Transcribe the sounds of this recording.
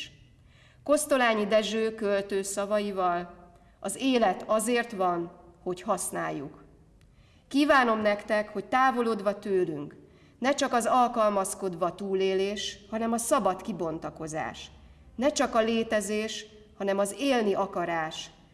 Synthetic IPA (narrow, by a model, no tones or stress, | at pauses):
ko̞st̪o̞laːɲid̪ɛʒøːkølt̪øːsɒvɒjivɒl | ɒzeːlɛt̪ɒzeːrt̪ʋɒnho̞chɒsnaːjːuk | kiːvaːno̞mnɛkt̪ɛkho̞c̚t̪aːvo̞loːd̪ʋɒt̪øːlyŋk | nɛt͡ʃɒkɒzɒlkɒlmɒsko̞d̪ʋɒt̪uːleːleːʃhɒnɛmɒsɒbɒt̪kibo̞nt̪ɒko̞za̰ːʃ | nɛt͡ʃɒkɒleːt̪ɛzeːʃ | hɒnɛmɒzeːlniʔɒkɒɾaːʃ